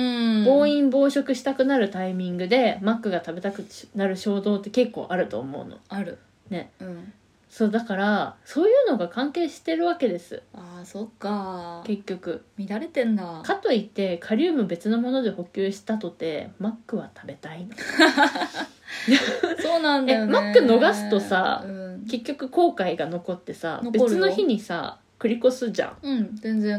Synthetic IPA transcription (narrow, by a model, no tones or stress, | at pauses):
ɯ̃bo̞ːĩmbo̞ːɕo̞kɯ̟ɕi̥t̪akɯ̟naɾɯ̟t̪aimʲĩŋɡɯ̟d̪e̞makːɯ̟ɡat̪abe̞t̪akɯ̟naɾɯ̟ɕo̞ːd̪o̞ːt̪ːe̞ke̞kːo̞̰ːʔaɾɯ̟t̪o̞̰ːmo̞̰ɯ̟̰no̞̰aɾɯ̟ | ne̞ɯ̟̃ɴ | so̞ːd̪akaɾaso̞ːjɯ̟ːno̞ɡakãŋke̞ːɕi̥t̪e̞ɾɯ̟βake̞d̪e̞sɨ̰aːsokːake̞kʲːo̞kɯ̟mʲiɾaɾe̞t̪ẽnd̪akat̪o̞it̪ːe̞kʰaɾʲɯːmɯ̟be̞t͡sɨno̞mo̞no̞d̪e̞ho̞kʲɨːɕi̥t̪at̪o̞t̪e̞̰makːɯ̟βat̪ʰabe̞t̪aino | asoːnãndeajomak̪ːɯ̟no̞ɡasɨ̥t̪o̞sa̰ɯ̃kke̞kʲːo̞kɯ̟ko̞ːkaiɡano̞ko̞t̪ːe̞sa̰nbet͡sɨno̞çiɲ̟isa̰ | kɯ̟ɾʲiko̞sɨʑã̰ŋɯ̃ɴzẽnd͡zẽ